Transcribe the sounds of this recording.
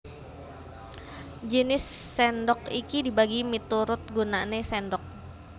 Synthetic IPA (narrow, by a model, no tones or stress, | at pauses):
d͡ʒənɪsːɛndɔkikidibaɡimit̪uɾʊt̪̚ɡunanesɛndɔk̚